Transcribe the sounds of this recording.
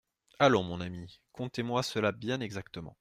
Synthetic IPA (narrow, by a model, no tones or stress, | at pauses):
alɔ̃mɔ̃namikɔ̃t̪emwasəlabjɛ̃nɛɡzakt̪əmɑ̰̃